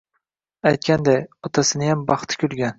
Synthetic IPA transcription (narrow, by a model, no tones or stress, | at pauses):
ajt̪̚kʲand̪ajɒt̪ʰasɪnɪjambɑχt̪ʰɪ̥kʲʰʊlɡʲan